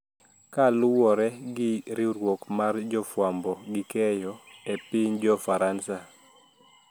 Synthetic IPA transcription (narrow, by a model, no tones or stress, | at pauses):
kalʊwɔɾɛɡɪɾɪɾwokmard͡ʒɔfwambɔɡɪkɛjɔepiɲd͡ʒɔfaɾansa